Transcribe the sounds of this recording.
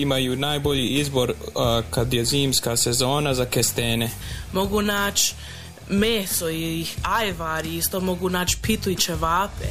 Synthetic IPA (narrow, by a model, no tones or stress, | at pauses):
imajunaːjbo̞ʎiizbo̞ɾkad̪jeziːmskasezo̞ːnazakest̪eːnemo̞ɡunaːt͡ʃ | meːsoiiajʋaːɾiist̪omoɡunaːt͡ʃpit̪uit͡ʃeʋaːpḛ